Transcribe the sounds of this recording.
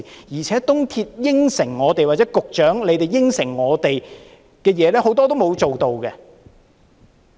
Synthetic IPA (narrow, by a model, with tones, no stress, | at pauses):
jiː˨˩t͡sʰɛː˨˥t̪ʊ˥ŋt̪ʰiː˧t̚jɪ˥ŋsɪ˨˩ŋːɔː˨˧t̪e˨jwaː˨t̚t͡sɛ˨˥kʊ˨k̚t͡ʃœː˨˥ŋle˨˧jt̪e˨jːɪ˥ŋsɪ˨˩ŋːɔː˨˧t̪e˨j | kɛː˧jɛː˨˧lɛː˥ho˨˥wt̪ɔː˥t̪̬o˥wmo˨˧wt͡so˨wt̪o˨wkɛ˧